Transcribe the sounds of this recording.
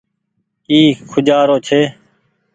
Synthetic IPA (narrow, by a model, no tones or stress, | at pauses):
iːkʰʊd͡ʒaːɾoːt͡ʃʰeː